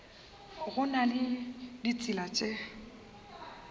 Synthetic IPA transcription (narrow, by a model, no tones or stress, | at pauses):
ɣʊnalɪdit͡sʼɪlat͡ʃʼe